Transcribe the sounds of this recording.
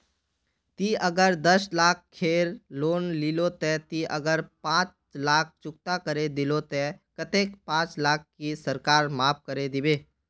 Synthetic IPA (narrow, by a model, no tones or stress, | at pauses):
t̪iəɡəɾd̪əslaːk̚ʰkʰːeːɾloːnlilot̪ɛ̃t̪iʔəɡəɾpãːt͡ʃ | laːk̚ʰt͡ʃʊk̚t̪akəɾed̪ɪlot̪ɛ̃kət̪eːkpãːt͡ʃlaːkːisəɾkaːɾmaːp̚kəɾed̪ɪbeː